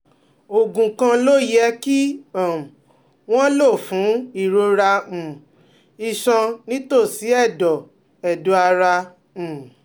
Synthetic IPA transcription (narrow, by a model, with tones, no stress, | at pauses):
o˨ɡũ˨kã˧lo˦jɛ˦ki˦a˨ | w̃ɔ̃˦lo˦˨fũ˨˦i˦˨ɾo˧ɾa˧m̩̃˨ | i˧˨ʃɔ̃˧nĩ˦to˦˨si˨˦ɛ˦˨dɔ˨ | ɛ˨do˨˦a˧ɾa˧ | m̩˨